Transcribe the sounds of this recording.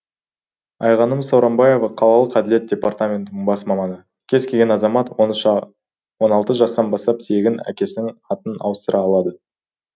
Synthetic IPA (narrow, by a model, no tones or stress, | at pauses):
ɑjʁɑnəmsowɾɑmbɑje̞vɑqʰɑlˠɑlˠəqæd̪ɪle̞t̪̚d̥ʲe̞part̪amʲe̞nt̪ɪnɪŋbɑsmɑmɑnə | kʲʰe̞zkʰʲe̞lɡʲe̞nɑzɑmɑt̪onʃɑ | wo̞nɑlˠt̪əʒɑst̪ɑnbɑst̪ɑp̚t̪ʰe̞ɡʲɪnæ̰kʲe̞sɪnɪŋɑt̪ənɑ̰wəst̪əɾʔɑːlˠɑd̪ə